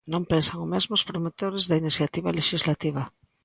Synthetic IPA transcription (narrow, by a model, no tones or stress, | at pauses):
nõmpensaŋʊmezmʊspɾomot̪oɾezðainiθjat̪iβaleʃizlat̪iβ̞a